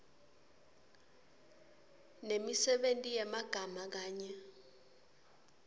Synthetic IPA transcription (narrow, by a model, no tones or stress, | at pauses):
nemisɛɓentʼijɛmaɡ̥ʱamak̬aːɲɛ